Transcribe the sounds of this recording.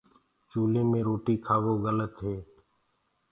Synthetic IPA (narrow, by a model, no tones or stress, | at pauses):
t͡ʃuːlẽːmẽːɾoːʈiːkʰaːʋoːɣələt̪ɦeː